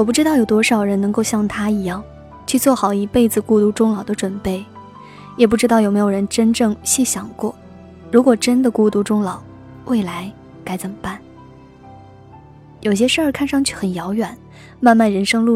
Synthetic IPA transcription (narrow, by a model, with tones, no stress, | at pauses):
wɔ˨˩p̬u˥˩ʈ͡ʂɻ̩˥t̪ɑ˥˩ʊjʊt̪wɔ˥ʂɑ˨˩ʊɻə˧˥nnɤ˧˥ŋko˥˧ʊɕjɑ˥˩ŋt̪ʰa˥i˧˥jɑ˥˩ŋ | t͡ɕʰy˥˧t͡swɔ˥˩xɑ˨˩ʊi˧˥pe˥˩ɪd͡zɹ̩˩ku˥˧t̪u˥˩ʈ͡ʂʊ˥ŋlɑ˨˩ʊd̪ə˦ʈ͡ʂwə˨˩npe˥˩ɪ | jɛ˨˩p̬u˥˩ʈ͡ʂɻ̩˥t̪ɑ˥˩ʊjme˧˥ɪjo˨˩ɻə˧˥nʈ͡ʂə˥nʈ͡ʂɤ˥˩ŋɕi˥˩ɕjɑ˨˩ŋkwɔ˥˩ | ɻu˧˥kwɔ˨˩ʈ͡ʂə˥nd̪ə˨ku˥˧˩t̪u˥˩ʈ͡ʂʊ˥ŋlɑ˨˩˦ʊ | we˥˩ɪla˧˥ɪ | ka˧˥ɪt͡sə˨˩mə˩pa˥˩n | jo˨˩ʊɕ̬jɛ˥ʂə˞˥˩kʰa˥˧nʂɑ˥˧ŋt͡ɕʰy˥˩xə˨˩njɑ˧˥ʊɥɛ˨˩˦n | ma˥˧nma˥˩nɻə˧˥nʂɤ˥ŋlu˥˧